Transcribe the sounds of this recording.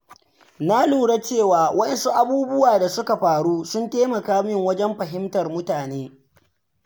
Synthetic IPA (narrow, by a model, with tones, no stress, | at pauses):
na˦luː˨ɽa˦t͡ʃeː˦˨waː˨wʔɐ˦ɗɐ˨nsu˦ʔa˦buː˦bʊ˦waː˨da˨sʊ˦ka˨ɸaː˨ɽuː˦sʊ˦nteː˦mɐ˨kaː˦mɪ˦ŋwɐ˦d͡ʒɛ˦mɸɐ˨ɦɪ˦mtɐ˨rmʊ˦taː˨neː˦